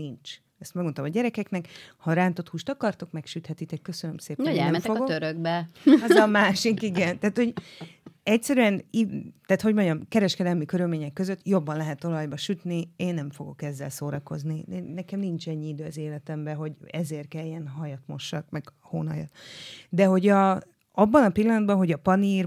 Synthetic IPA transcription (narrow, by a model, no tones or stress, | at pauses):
nint͡ʃ | ɛst̪mɛɡmot̪omɒɟɛɾɛkɛknɛkhɒɾaːnt̪o̞t̪huːʃt̪ɒkɒrt̪o̞kmɛkʃyt̪hɛt̪it̪ɛkːø̞sønømseːpɛnoɛnɛnmfoɡotøɾøɡbɛɒzɒmaːʃikiɡɛnt̪aːt̪ho̞ɟ | ɛcsɛɾyɛnit̪aːt̪ho̞ɟmoɲɟɒmkɛɾɛʃkɛd̪ɛlmikø̞ɾylmeːɲɛkːø̞zøt̪ːjo̞bːɒnlɛɦɛt̪ːo̞lɒjbɒʃyt̪nieːnːɛɱfo̞ɡo̞kɛzːɛlsoːɾɒko̞̰zninɛkɛmnint͡ʃɛɲːiid̪øːɒzeːlɛt̪ɛmbɛɦo̞ɟɛzeːrkɛjjːɛnɦɒjɒt̪mo̞̰ʃːɒkmɛɡ | ho̰ːnɒjɒ̰t̪d̪ɛɦo̞ɟɒ | ɒbːɒnɒpilːɒnɒd̪bɒnɦo̞ɟɒpɒniːr